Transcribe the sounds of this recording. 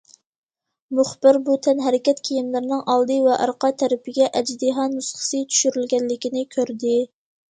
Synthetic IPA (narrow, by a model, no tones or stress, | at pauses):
mʊχb̥ɪɾbut̪ʰɛnɦɛɾɪkʲɛt̪kʲʰijimlɪɾnɨŋʔɑlˠd̪ɨvɛʔɑ̰ɾqɑt̪ʰɛɾɪpʰɪɡʲɛʔɛd͡ʒd̪iɦɑnusχə̥sɨt͡ʃ̪ʰy̥ʃyɾylɡʲɛnlɪkʲinɪkʲʰøɾd̪ɪ